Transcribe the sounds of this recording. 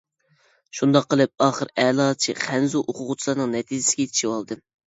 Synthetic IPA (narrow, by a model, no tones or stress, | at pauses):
ʃund̪ɑqːəlˠɨp̚ɑːχəɾɛlˠɑːt͡ʃʰḭχʰɛnzuʔoqʰʊʁʊt͡ʃʰilˠɑɾnɨŋnɛt̪ʰid͡ʒɪ̥sɪɡʲɛt͡ʃ̪ʰi̥ʃiwɑlˠd̪ɨ